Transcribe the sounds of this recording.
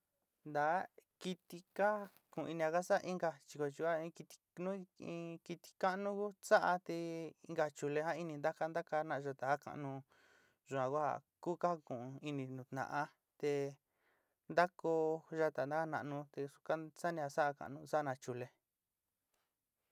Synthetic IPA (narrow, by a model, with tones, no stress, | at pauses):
nd̪a˨˦ki˧t̪i˧ka˦ | kũ˨˧i˧nĩ˧a˧ka˦sa˦˧ʔi˦ŋɡa˧t͡ʃi˧ko˧t͡ʃi˧a˦ĩ˧ki˧t̪i̥˧nũ˦ĩ˧ki˧t̪i̥˧ka˦ʔnũ˦ku˦sa˦ʔa˧t̪e˧i˧ŋɡa˧t͡ʃu˧le˧hã˦i˧nĩ˧nd̪a˦ka˧nd̪a˦ka˧nã˧ʔʒa˧t̪a˨ha˦ka̰˧˨nũ˧ | ʒu˨˧ã˨˧kʷa˦a̰˨ | ku˦ka˦˧kũ˨˧i˧nĩ˧nũ˨t̪nã̰˧ʔa˧ | t̪e˧ | nd̪a˦ko˧ʒa˧t̪a˨nd̪a˦ka˦˧nã˧ʔnũ˧t̪e˧su̥˧ka˦sa˦nĩ˧a˧sa˦ʔa˧ka̰˧ʔnũ˧sa˦˧nã˧t͡ʃu˧le˧